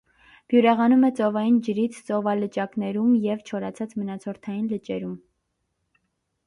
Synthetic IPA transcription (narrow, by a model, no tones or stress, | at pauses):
b̥juɾɛʁɑnumɛt͡sɔvɑjind͡ʒəɾit͡sʰt͡sɔvɑlət͡ʃɑknɛɾumjɛvt͡ʃʰɔɾɑt͡sʰɑt͡smənɑt͡sʰɔɾt̪ʰɑjinlət͡ʃɛɾum